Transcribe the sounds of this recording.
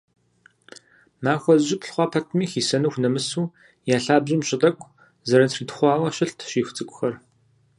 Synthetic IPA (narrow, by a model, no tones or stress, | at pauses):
maːxʷɔzʑɪpɬχʷɑːpʰɐtʰmiːxiːsɐnɨxʷnɐmɨsuː | jaːɬaːbʑɪmɕʼɪdɐkʷʰʼ | zɐɾɐtʰritʰχʷɑːʁɐɕɪɬtʰɕiːxʷt͡sʼɨkʷʼʊxɐr